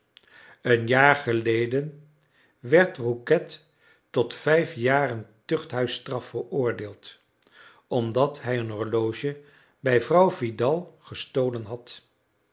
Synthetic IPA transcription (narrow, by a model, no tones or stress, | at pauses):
ənjaːɹχəlejdən | ʋɛɹtrukɛtː | ɔtfɛjfjaːrəntɵχtɦœɥstrɑfərʊːɹdeːlˠt | ɔmdɑtɦɛjənɦɔɹlowʒə | bɛjvrɑwvidɑlˠχəstowlənɦɑt